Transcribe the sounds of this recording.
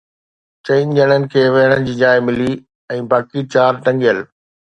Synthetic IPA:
t͡ɕɐind͡ʑəɽ̃ənɪ̆kʰeːʋɐɦəɽ̃ənɪ̆d͡ʑiːd͡ʑaːɪmɪli | ɛ̃ːbaːkit͡ɕaːɾʈɐ̃ŋɡijəl

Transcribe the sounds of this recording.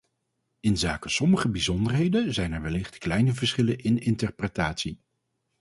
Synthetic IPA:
ɪnzaːkəsɔməχəbizɔndəɹɦejdənzɛjnɛɹʋɛlɪχtklɛjnəvəɹsχɪlənʔɪnɪntəɹpretaːtsi

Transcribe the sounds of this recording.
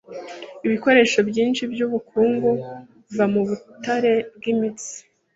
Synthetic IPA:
iβiko̞ɾe̞ːʃo̞bjiːnʃibjuβukʰuːŋɡu | ivamuβutaɾe̞b̚ɡimit͡si̥

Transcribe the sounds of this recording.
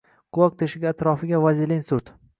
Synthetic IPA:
qʰʊlˠɒk̚t̪ʰeʃɪɡʲaːt̪ɾɒfɪɡʲavazilensʊɾt̪

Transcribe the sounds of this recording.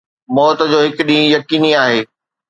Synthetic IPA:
mɔːt̪̆d͡ʑoːɦɪkʊɗĩjɐkiːniaːɦeː

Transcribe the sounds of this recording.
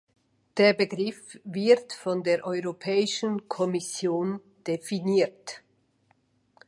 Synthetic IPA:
d̥eːɐbəɡʁɪfvɪtfɔndeːɐʔɔʏʁopʰɛːɪʃənkʰɔmɪsjoːn | d̥efiniːt

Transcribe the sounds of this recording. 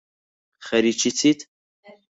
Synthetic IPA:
χɛɾit͡ʃʰit͡sʰit̪ʰ

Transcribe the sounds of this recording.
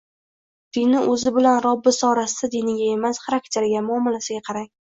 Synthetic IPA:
d̪̥ɪnɪʔɵzɪbɪlanɾɒbːɪsɒɾasɪd̪ad̪enɪɡʲae̞masχɑɾakt̪ʰe̞ɾɡʲamʊɒmɪlasɪɡʲaqʰɑɾaŋʲ

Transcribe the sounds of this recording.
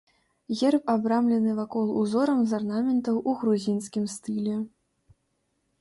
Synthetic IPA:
ɣʲɛrpabɾamlʲɛnɨvakɔlˠuzɔɾɐmzarnamʲɛnt̪ɐwʔuɣɾuzʲinskʲimst̪ɨlʲɛ

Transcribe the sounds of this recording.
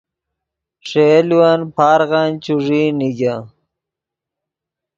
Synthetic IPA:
ʂeliwanpʰaːɾɣant͡ɕuʐiːniɡa

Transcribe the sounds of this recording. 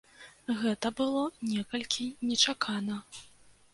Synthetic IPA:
ɣɛt̪ɐbɨlˠɔnʲɛkɐlʲkʲinʲɛt͡ʂakʰanɐ

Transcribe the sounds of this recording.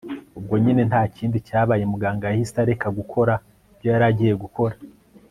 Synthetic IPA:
ub̚ɡo̞ɲine̞nthaːciːndicaːβaːjemuɡaːŋɡajhisi̥taɾe̞kaɡukʰo̞ɾa | vjojaɾaɟije̞ɡuko̞ɾa

